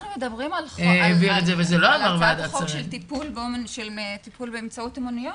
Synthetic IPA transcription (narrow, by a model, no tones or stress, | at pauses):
nmed̪ɐbʁimaleeviʁetzevezelo̞amaʁvad̪asaʁʃielt̪ipulbeomenʃelet̪ipulbeːmt͡sautemunijo